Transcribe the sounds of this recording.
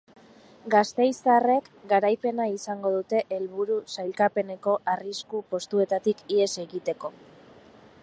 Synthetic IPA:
ɡast̪e̞jsare̞kɡaɾajpe̞naisaŋɡo̞ð̞ut̪e̞ʔelβuɾusajlkape̞ne̞ko̞ʔariskupo̞st̪ue̞t̪at̪ikie̞se̞ɣit̪e̞ko̞

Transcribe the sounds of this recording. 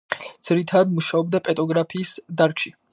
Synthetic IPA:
d̪z̥ɾit̪ʰad̪muʃaɔbd̪apʼɛt̪ʼɔɡɾapʰiːsd̪aɾkʃi

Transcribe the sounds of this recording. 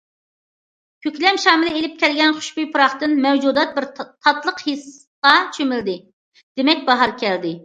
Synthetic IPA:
kʲʰøkʲlɛmʃɑːmɪlɪelɪp̚kʲɛlɡʲɛnχʊ̥ʃbyjpʰuɾɑχt̪ɨnmɛwd͡ʒud̪ɑt̪̚bɪɾt̪ʰɑt̪lˠəqhis | qɑt͡ʃʰømɪld̪ɪ | d̪̥emɛk̚ʲbɑɦɑɾkʲʰɛld̪ɪ

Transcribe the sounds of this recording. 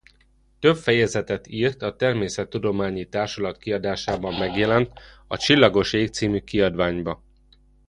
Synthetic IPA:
t̪ø̞bfɛjɛzɛt̪ɛt̪iːrt̪ɒt̪ɛrmeːsɛt̪ːud̪o̞maːɲit̪aːrʃɒlɒt̪kiɒd̪aːʃaːbɒmːɛɡjɛlɛnt̪ | ɒt͡ʃilːɒɡo̞ʃeːk̚t̪siːmykiɒd̪ʋaːɲbɒ

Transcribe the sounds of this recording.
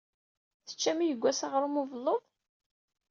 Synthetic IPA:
θə̥t͡ʃːæmijəɡʷːæsaʁɾˤumuvəlːoðˤ

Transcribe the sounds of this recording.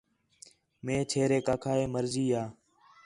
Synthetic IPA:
mẽːt͡ʃʰeːɾeːkaːkʰaːeːməɾziːaː

